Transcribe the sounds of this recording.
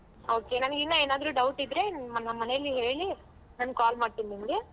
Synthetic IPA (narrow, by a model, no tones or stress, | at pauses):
oːke̞naːnɡid̪nːaeːnaːd̪ɾuːɖɐwʈid̪ɾe̞mnɐmɐnejlːiɦe̞ːɭɭi | naːnɡkaːlmaːɖ̚t̪inːinɡe